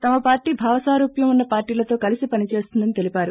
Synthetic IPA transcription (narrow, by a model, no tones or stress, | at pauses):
t̪ɐmɐpaːɾʈiːbʱaːʋɐsaːɾuːpjɐmunːɐpaːɾʈiːlɐt̪o̞ːkɐlisipɐnit͡ʃe̞ːst̪und̪ɐnit̪e̞lipaːɾu